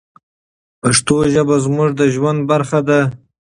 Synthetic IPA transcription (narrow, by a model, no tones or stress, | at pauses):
paʂt̪oʒəbazmʊʐd̪əʒwand̪̚baɾxad̪a